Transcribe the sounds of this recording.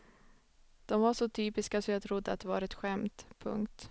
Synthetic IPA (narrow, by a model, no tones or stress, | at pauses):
d̪̥ɔmvaʂɔt̪ʰyːpɪskasɔmjɑːt̪ʰɾʊd̪ːəa̰t̪̚d̪ɛvɑ̰ːɾɛt̪ɧɛmt̪pʰɵ̰ŋkt̪